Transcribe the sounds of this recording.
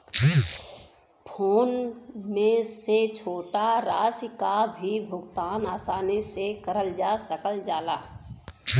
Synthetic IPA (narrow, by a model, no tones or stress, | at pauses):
pʰoːnmẽset͡ʃʰoːʈaɾaːskabʱibʱʊɡt̪aːnaːsaːnisekəɾəld͡ʒaːsəkəld͡ʒaːlaː